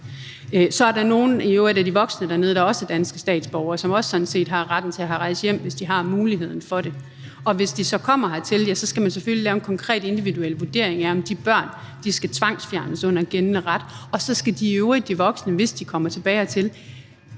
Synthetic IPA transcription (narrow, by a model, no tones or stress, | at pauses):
sɒ̽æɐɾɑ̈no̝ːn̩iøed̥æd̥iʋɒ̽ɡ̥snəd̥æɐne̝ðˠd̥ɑ̈ɒ̽sd̥ænsɡ̥ə̥sd̥ɛ̰ːd̥sb̥ɒʊɐːsɒ̽mɒ̽ssɒ̽dn̩se̝̰ːd̥ɦɑ̈ʁad̥n̩t͡sʰe̝æɦæʁɑ̈ɪsəjem̰ʋe̝sd̥iɦɑ̈muːliɦe̝ð̞̰ˠn̩fɒ̽ɾe̝ | ɒ̽ʋe̝sd̥isɒ̽kʰɒ̽m̰ɐɦɑt͡sʰe̝ljæsɒ̽sɡ̥æmæns̬efølilɛːʊenkʰɒ̽ŋkʰʁɛ̰ːd̥e̝nd̥iʋiduel̰ʋuɐd̥e̝ɐ̰e̝ŋæɐɒ̽md̥ib̥ɶɐ̰n | d̥isɡ̥æt͡sʰʋɑ̈ŋ̰sfjæɐnəsɔ̽n̰ɐɡ̥ennəʁɑd̥ɒ̽sɒ̽sɡ̥æd̥iøʊʁid̥̚d̥iʋɒ̽ɡ̥snəʋe̝sd̥ikʰɒ̽m̰ɐt͡sʰe̝b̥ɛːɪɒt͡sʰe̝l